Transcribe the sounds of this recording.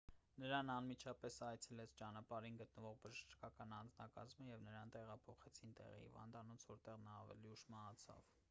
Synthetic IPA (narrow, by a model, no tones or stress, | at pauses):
nəɾɑnɑnmit͡ʃʰɑpɛsɑjt͡sʰɛlɛt͡sʰt͡ʃɑnɑpɑɾinɡət̪̚nəvɔʁbəʒəʃt͡ʃkɑkɑnɑnd͡znɑkɑzməjɛvnəɾɑnt̪ɛʁɑpʰɔχɛt͡sʰint̪ɛ̰ʁḭhḭvɑ̰nd̪ɑnɔt͡sʰvɔɾt̪ɛʁnɑːvɛ̰liuʃmɑɦɑt͡sʰɑ̰v